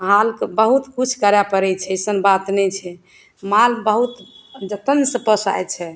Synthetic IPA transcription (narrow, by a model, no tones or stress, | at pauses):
ɦalkebəɦut̪kut͡ʃʰkəɾapəɾɛt͡ʃʰɛsənbat̪nɛt͡ʃʰɛ | malbəɦut̪ | d͡ʒət̪ənsə̃pəsa̰jt͡ʃʰɛ